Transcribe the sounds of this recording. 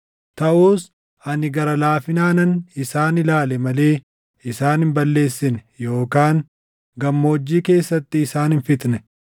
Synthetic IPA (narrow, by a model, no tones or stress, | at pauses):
tt̪ɐʔuːs | ɐnɪɡɐɾɐlaːfɪnaːnɐnɪsaːnɪlaːlɛmɐle̞ː | ɪsaːnɪmbɐlːe̞ːsːɪnɛjo̞ːkaːŋ | ɡɐmːoːd͡ʒːiːke̞ːsːɐt̪ːɪːsaːnɪnfɪt̪nɛ